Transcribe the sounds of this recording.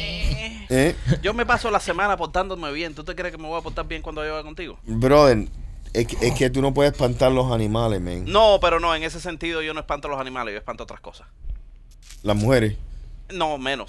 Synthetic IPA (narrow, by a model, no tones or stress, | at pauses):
e | eɟ͡ʝo̞me̞pasolasemãnapoɾt̪and̪omeβjent̪ut̪ekjɾekemeβojapoɾt̪aɾbjeŋkwand̪ojoɣakont̪iɣo̞̰bɾoðeɾ | ekeket̪uno̞p̬weðehepant̪aɾlo̞sanĩmalemḛ̃ŋnope̞ɾo̞no̞eŋe̞se̞se̞nt̪iðoʝo̞noepant̪olo̞sanĩmalejo̞epant̪oot̪ɾḁsko̞sḁs | lasmuheɾesnomẽnos